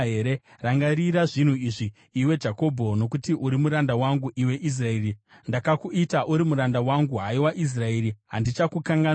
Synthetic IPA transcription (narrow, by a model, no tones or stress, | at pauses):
ɦeɾeraŋɡaɾiɾaʐin̤uiʐiː | we̞d͡ʒako̞bʱo̞no̞k̬utiʔuɾimuɾandawaŋɡuʔiwe̞ʔis̬rae̞ːrindakakuitaʔuɾimuɾandawaŋɡuɦaiwaʔis̬raeːɾiɦandit͡ʃakukaŋɡa